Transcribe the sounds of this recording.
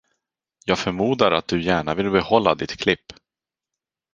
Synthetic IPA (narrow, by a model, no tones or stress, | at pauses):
jɑːɡfœɾmuːd̪aɾat̪̚d̪ɵjæːɳavɪlbɛhɔlːad̪ɪt̪kʰlɪpː